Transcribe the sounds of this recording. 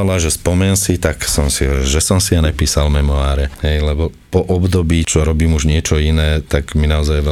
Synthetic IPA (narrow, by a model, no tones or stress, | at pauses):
laʒɛspɔmɛnsit̪aksɔmsiʒɛsɔmsianɛpiːsalmɛmɔaːɾɛhɛjlɛbɔpɔʔɔbd̪ɔbiːt͡ʃɔɾɔbiːmuʒɲɪɛt͡ʃɔinɛːt̪aɡminaɔzajʋɛ